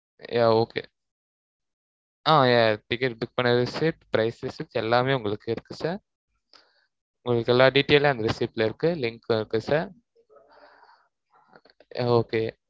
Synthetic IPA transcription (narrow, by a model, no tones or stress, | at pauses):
jʔaːoːkḛː | ãːjaːɾʈɪkːɛʈɖʊk̚pɐɳːɐðɯsɪʈpɾɐɪsɾɪsiʈːɛlːaːmeːʊŋɡɐɭɯkːɯɪɾɯkːɯsaːɾ | ʊ̃ŋɡɐɭɯkːɛlːaːɖiːʈːeːlãːɐnd̪ɐɾɪsiːpːlɐɪɾɯkːɯlɪŋkɪɾɯkːɯsaːɾ | a̰ːoːkeː